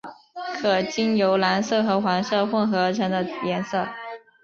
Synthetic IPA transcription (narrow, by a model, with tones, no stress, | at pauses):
kʰɤ˨˩t͡ɕi˥njo˧˥ʊla˧˥nsɤ˥˩xɤ˧˥xwa˧˥nsɤ˥˧xwə˥˩nxɤ˧˥ʈ͡ʂʰɤ˧˥ŋd̪ə˧jɛ˧˥nsɤ˥˩